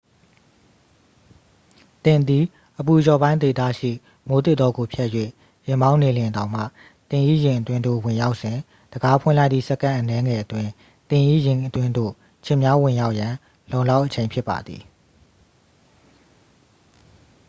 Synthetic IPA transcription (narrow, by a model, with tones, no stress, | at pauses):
t̪ɪ̃˨nd̪i˨ | ʔəpu˨jɔ˨bã˦ɪ̃ne˨t̪a̰˦˨ʃḭ˦˨ | mo˨˦t̪ɪ˦t̪ːɔ˦ɡo˨pʰjɛ˦ʔjwḛ˦˨ | jɪ̃˨mbã˦ʊ̃ne˨ljɪ̃˨ndã˨ʊ̃m̥ä̰˦˨ | t̪ɪ̃˨ʔi˦jɪ̃˨ʔətwɪ̃˦ndo̰˦˨wɪ̃˨ja˦ʊʔsɪ̃˨ | d̥əɡa˨˦pʰwɪ̃˦˨la˦ɪt̪ḭ˦˨sɛ˦˨kã˦ʔənɛ˦ŋɛ˨ʔətwɪ̃˨ | t̪ɪ̃˨ʔḭ˦˨jɪ̃˨ʔətwɪ̃˦ndo̰˦˨ | t͡ɕʰɪ̃˨mja˦wɪ̃˨ja˦ʊʔjã˨ | lõ˨ʊ̃la˦ʊʔət͡ɕʰẽ˨ɪ̃pʰɪ˦pːa̰˨d̪ðḭ˨